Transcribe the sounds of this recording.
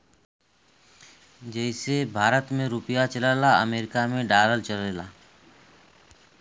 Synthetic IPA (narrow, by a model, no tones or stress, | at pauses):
d͡ʒɛːɪsebʱaːɾət̪mẽɾʊpɪjat͡ʃəlaːlaə̰meːɾɪkamẽɖaːləlt͡ʃəleːla̰ː